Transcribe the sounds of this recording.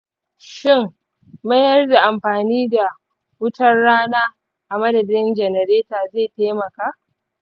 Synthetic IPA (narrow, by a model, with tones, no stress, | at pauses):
ʃɪ˦˨ŋ | mɐ˦jɐ˦rda˨ʔa˨mɸaː˨niː˦da˨ | wʊ˦tɐ˦rɽaː˦naː˦ | ʔa˨mɐ˦dɐ˨dɪ˦nd͡ʒɛ˨nɛ˨ɾeː˦taː˨zeː˦˨taː˦mɐ˨kaː˦ʔ